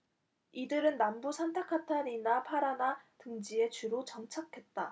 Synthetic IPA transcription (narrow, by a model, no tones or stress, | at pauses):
idɯɾɯnːambusʰantʰekʰatʰaɾinapʰaɾanatɯŋd͡ʑie̞t͡ɕuɾot͡ɕʌŋt͡ɕʰakʰe̞t̚t͈a